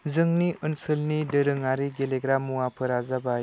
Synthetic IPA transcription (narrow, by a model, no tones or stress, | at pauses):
zɯŋniʔɯnsɯlnidɯɾɯŋaɾiɡeleɡɾamːuapʰɯɾazaba